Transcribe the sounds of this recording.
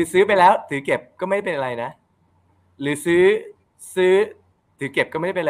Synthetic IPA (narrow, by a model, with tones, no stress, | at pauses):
tʰɯː˩˦sɯː˦˥p̬a˧jlɛː˦˥wt̪ʰɯː˨˩˦ke˨˩p̚kɔː˥˩ma˥˩˥jpe˧nʔa˧ɾa˧jna˦˥ʔ | ɾɯː˩˦sɯː˦˥ | sɯː˦˥ | t̪ʰɯː˩˦ke˨˩p̚kɔ˥˩˥pː